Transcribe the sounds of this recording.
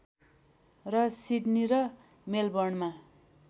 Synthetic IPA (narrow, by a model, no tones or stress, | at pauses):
rʌsiɖniɾʌ | melbʌrɳma